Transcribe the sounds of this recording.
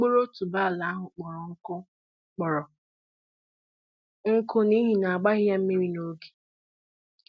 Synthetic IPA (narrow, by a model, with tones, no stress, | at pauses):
k͡po˦ɾo˦tu˨ba˦˨la˨˦a˦ɦʊ˨k͡pɔ˨ɾɔ˨ŋ̩˦kʊ˦ | k͡pɔ˨ɾɔ˨ | ŋ̩˦kʊ˦ni˦ɦi˨na˨a˨ɡ͡ba˦ɣɪ˦ja˦m̩˦mi˦ɾi˦no˦ɡi̥˨